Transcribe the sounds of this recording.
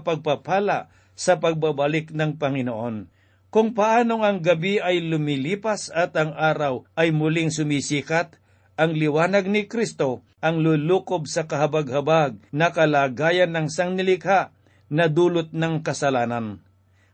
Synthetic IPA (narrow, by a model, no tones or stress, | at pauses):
pɐɡ̚papaːla̰ʔ | sɐpɐɡ̚babɐlɪknɐŋpɐŋɪnoʔo̞n | kʊŋpɐʔaːno̞ŋɐŋɡɐbiʔɐjlʊmiliːpasɐt̪ɐŋʔaːɾawʔɐjmʊlɪŋsʊmisiːkat̪̚ | ɐŋlɪwaːnɐɡ̚nɪkɾist̪o̞ | ʔɐŋluːluːkobsɐkɐɦɐbaɡ̚hɐbaɡ̚nɐkɐlaːɡaːjɐnːɐŋsɐŋnɪlɪkhaʔ | nɐd̪uːlot̪̚nɐŋkɐsɐlaːnɐn